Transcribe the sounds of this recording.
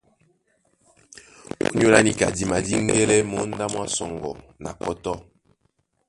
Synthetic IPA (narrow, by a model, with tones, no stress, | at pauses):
o̰˦ɲ˦o˦la̰˦ni˨ka̰˨di˨ma˨di˦ŋ˦ɡɛ˦lɛ˦mɔ˦n̩˦da˦mwa˦sɔ˨ŋɡɔ˨ | na̰˨kɔ˦tɔ˦